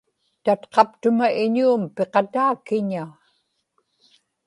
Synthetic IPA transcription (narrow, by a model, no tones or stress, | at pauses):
t̪at̪qɑpt̪ʊmaɪɲuːmpe̞qɑt̪aːkɪɲa